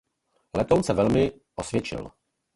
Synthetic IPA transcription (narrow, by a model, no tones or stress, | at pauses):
lɛt̪ownsɛvɛlmɪ | ʔosvjɛt͡ʃɪ̰l